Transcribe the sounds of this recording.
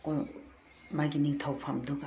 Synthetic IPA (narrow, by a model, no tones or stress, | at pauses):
koj | majɡiniŋt̪ʰawpʰamduɡa